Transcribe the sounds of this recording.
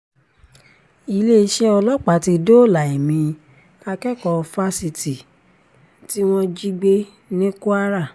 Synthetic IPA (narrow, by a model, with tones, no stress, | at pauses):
i˧le˦i˧˦ʃɛ˦ɔ˧lɔ˦k͡pa˨˦ti˦˧do˦˨la˨i˨mĩ˨˧ | a˧kɛ˦kɔ˧fa˧si˧ti˨ | ti˦w̃ɔ̃˦d͡ʒi˦ɡ͡be˦ | nĩ˦ku˦a˦ɾa˦˨